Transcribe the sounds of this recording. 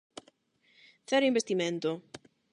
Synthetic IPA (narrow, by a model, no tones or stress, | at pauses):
θɛɾʊimbest̪imẽnt̪ʊ